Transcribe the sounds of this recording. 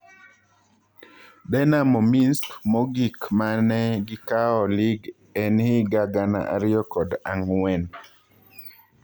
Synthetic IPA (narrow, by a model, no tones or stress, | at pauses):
dɛnamɔminskmɔɡikmanɛɡɪkaɔliɡ | ɛnhiɡaɡana̰ʔa̰ɾɪjɔkɔdaŋwɛn